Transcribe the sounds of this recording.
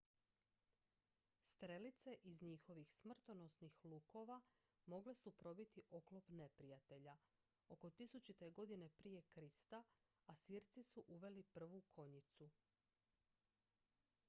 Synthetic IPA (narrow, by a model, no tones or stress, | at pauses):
st̪ɾe̞lit̪se̞ʔizɲixo̞ʋixsmr̩t̪o̞no̞snixlˠuːko̞ʋa | mo̞ɡle̞supɾo̞bit̪iʔo̞klˠo̞pne̞pɾijat̪e̞ʎa | o̞ko̞t̪isut͡ɕit̪eɡo̞d̪ine̞pɾije̞kɾist̪a | asiːɾt̪sisuʔuʋe̞lipr̩ʋukʰo̞ɲit̪su